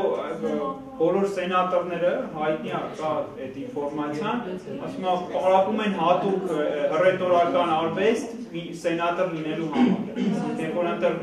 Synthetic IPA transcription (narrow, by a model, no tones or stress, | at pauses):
b̥ɔlɔɾsɛnɑt̪ɔɾnɛɾəɦɑjt̪niɑkɑɛt̪infɔɾmɑt͡sʰjɑnɑsmɑpɑɾɑpumɛnɦɑt̪ukərɛt̪ɔɾɑkɑnɑɾvɛst̪ | i | sɛnɑt̪əɾlinɛluɦɑmɑ̰ɾjɛvɔɾənt̪ɛʁ